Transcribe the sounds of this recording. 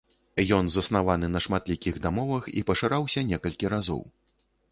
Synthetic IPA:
jɔnzɐsn̪avanɨnɐʂmat̪lʲikʲiɣd̪amɔvɐxḭpɐʂɨɾawsʲɐnʲɛkɐlʲkʲiɾazɔ̰w

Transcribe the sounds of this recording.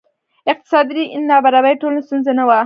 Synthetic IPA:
ɪq̚t̪ɪ̥sɑd̪ɾiʔnnːɑbaɾabajʈolnast̪unzanawa

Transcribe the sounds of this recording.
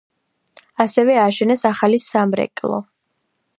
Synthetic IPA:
asɛvɛaʃɛnɛsaχalisamɾɛ̰kʼlˠɔ̰

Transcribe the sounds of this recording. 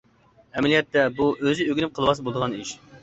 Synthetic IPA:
ɛmɛlijɛt̪ːɛbuʔøzɪøɡʲinɪm̚qʰəlˠəʋɑsbolˠɨd̪əʁɑniʃ

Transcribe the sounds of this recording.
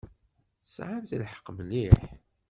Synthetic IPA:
θə̥sʕamθlħə̥qːmliħ

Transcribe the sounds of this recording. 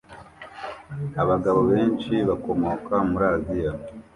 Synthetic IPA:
aβaɡaβo̞βe̞ːnʃiβako̞mo̞kamuɾaːzija

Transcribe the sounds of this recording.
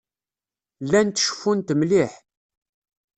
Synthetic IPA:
lːænt̪ʃə̥fːunt̪mliħ

